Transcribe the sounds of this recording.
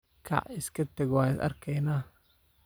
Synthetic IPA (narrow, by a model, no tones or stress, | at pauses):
kʰɑ̰ʕɪskʰɐt̪ɛɡwɑːnɪsɐ̰rkʰɛjnaː